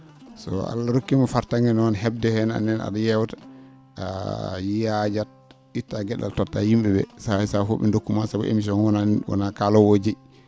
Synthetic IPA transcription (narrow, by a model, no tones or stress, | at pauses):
sɔ̰a̰lːaɾokːimɔfaɾtaŋɡɛnɔnhɛb̚dɛhɛna̰nːɛna̰ɗajɛwtḁ | jijad͡ʒat̚ | itːaɡɛɗa̰ltɔtːahimbɛbɛ̰saɛsafo̰ɓɛ̰ndokːumansabṵʔḛmis̬ɔnwɔnawɔ̰nakalɔwod͡ʒe